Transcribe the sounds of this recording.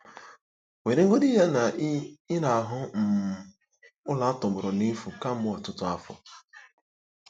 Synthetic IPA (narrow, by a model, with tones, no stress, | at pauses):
we˨ɾe˦ŋ̩˦ɡo˦dɪ˦ja˦na˨ɪ˦na˨a˨ɦʊ˦m̩˨ | ʊ˦la˨˦a˦tʊ˨bʊ˨ɾɔ˨ni˦fu˨ka˦m̩˦mʊ˦ɔ˨tʊ˦tʊ˦a˦fʊ̰˨